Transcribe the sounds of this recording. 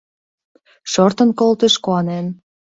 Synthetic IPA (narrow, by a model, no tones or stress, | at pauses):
ʃort̪ə̆nkolt̪eʃkoɑnen